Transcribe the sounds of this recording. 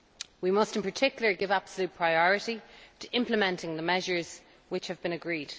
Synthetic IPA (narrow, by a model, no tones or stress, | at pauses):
wimʌstɪ̃npʰə˞tʰɪkjl̩ˠə˞ɡɪvab̥səljut̚pʰɹ̥aɪɔɹəɾitʰəʔɪ̃mpləmɛ̃ntɪ̃ŋðəmɛʒə˞z̥ | wɪt͡ʃhəvbɪ̃nəɡɹiːd̥